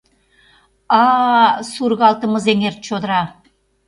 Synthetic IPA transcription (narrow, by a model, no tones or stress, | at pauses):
ɑsuɾɣɑlˠt̪əməzeŋer̚t͡ʃod̪ɾɑ